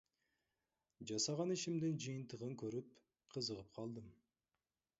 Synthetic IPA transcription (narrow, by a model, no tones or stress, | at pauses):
d͡ʒɑsɑʁɑniʃimd̪ɪnd͡ʒɯjənt̪əʁəŋkʲʰɵɾyp | qʰəzəʁəp̚qʰɑlˠd̪əm